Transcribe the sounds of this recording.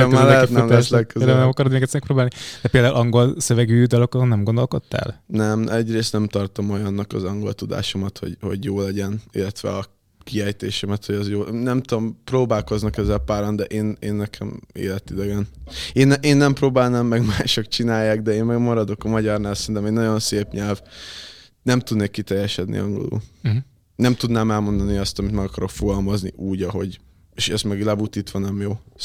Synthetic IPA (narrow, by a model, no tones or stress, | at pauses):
lɛɛt̪ɛmɛslɛøeld̪aulnɛmɒkɒɾod̪meːɡɛt̪sɛmɛk̚proːbaːlnid̪̥ɛpeːld̪aṵlʔɒŋɡo̞lsøvɛɡyːd̪ɒlo̞kɒzonnɛmɡo̞nd̪o̞lko̞t̪ːa̰lnɛmɛɟreːst̪nɛmt̪ɒrt̪omo̞jɒnːɒkɒzɒŋɡo̞̰lt̪ud̪a̰ːʃo̞mɒt̪ho̰ɟho̞̰ɟjoːlɛɟɛnḭlːɛt̪ʋɛ̰ɒ | kiɛjt̪eːʃɛmɛt̪ho̞ɟɛzjoːnɛmt̪ud̪omproːbaːlko̞znɒkɛzːɛlpaːɾond̪ɛʔeːneːnːɛkʰɛmḛːlɛt̪id̪ɛɡɛneːnːɛʔeːnːɛmpɾoːbaːlnaːmːɛɡmaːʃokt͡ʃinaːjːaːɡd̪ɛeːnmɛɡmɒɾɒd̪o̞kɒmɒɟɒrnaːlsɛɾint̪ɛmeːnnɒɟo̞nseːpɲɛlv | nɛmt̪ud̪neːkːit̪ɛjːɛʃɛd̪nḭɒŋɡo̞̰lṵːl | nɛmt̪ud̪naːmɛlmo̞nd̪ɒniɒst̪ɒmit̪mɛɡɒkɒɾo̞kfoɡɒlmɒzniʔuːɟɒɦo̞ɟ | eːʃɛst̪mɛɡlɛbut̪iːt̪ʋɒnɛmjoː